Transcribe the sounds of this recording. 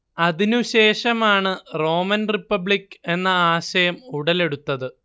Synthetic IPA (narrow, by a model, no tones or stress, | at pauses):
ɐðinuɕe̞ːʂɐmaːɳɨro̞ːmɐnripːɐbɭikːe̞nːɐaːɕɐjɐmuɽɐle̞ɽut̪ːɐðɨ